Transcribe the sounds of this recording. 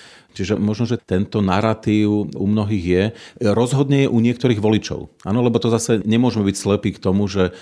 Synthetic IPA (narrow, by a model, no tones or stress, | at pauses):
t͡ʃiʒɛmɔʒnɔʒɛt̪ɛnt̪ɔnaɾat̪iːʊumnɔɦiːɣjɛɾɔzɦɔd̪ɲɛjɛʔuɲɪɛk̚t̪ɔɾiːɣʋɔlit͡ʃɔ̰ʊʔa̰ːnɔlɛbɔt̪ɔzasɛɲɛmʊɔʒmɛbicslɛpiːkt̪ɔmuʒɛ